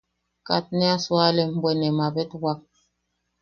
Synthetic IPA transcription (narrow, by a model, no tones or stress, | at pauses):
kat̚nɛaswalɛm̩bwɛnɛmabɛtwak̚